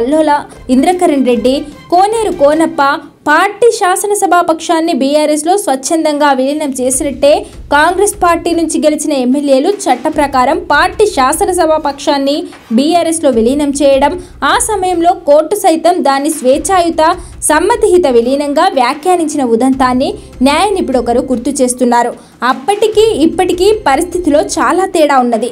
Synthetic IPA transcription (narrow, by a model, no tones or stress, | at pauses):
ɐlːɔːlɐ | ind̪ɾɐkɐɾɐɳɾe̞ɖːikoːne̞ːɾukoːnɐpːɐ | paːɾʈiːʃaːsɐnɐsɐbʱaːpɐkʂaːnːibiːjaːɾeslo̞ːsʋɐt͡ʃt͡ʃːɐnd̪ɐŋɡaːʋiliɦinɐmt͡ʃe̞ːsinɐʈːe̞ː | kaːŋɡɾespaːɾʈiːnuɲt͡ʃiɡelit͡ʃinɐemːelje̞ːlut͡ʃɐʈːɐpɾɐkaːɾɐmpaːɾʈiːʃaːsɐnɐsɐbʱaːpɐkʂaːnːi | biːaːɾeslo̞ːʋilijnɐmt͡ʃɛːjɐɽɐm | aːsɐmɐjɐmlo̞ːkoːɾʈːusɐjt̪ɐmd̪aːnːisʋɛːt͡ʃaːjut̪ɐ | sɐmːɐt̪iɦit̪ɐʋilijnɐŋɡaːʋjaːkjaːniɲt͡ʃinɐʋud̪ʱɐnt̪aːnːi | njaːjɐnipːuɽɔkɐɾuɡuɾt̪ut͡ʃe̞ːst̪unːaːɾu | ɐpːɐʈikiːipːɐʈikiːpɐɾist̪ʰit̪ilo̞ːt͡ʃaːlaːt̪iːɽaːunːɐd̪i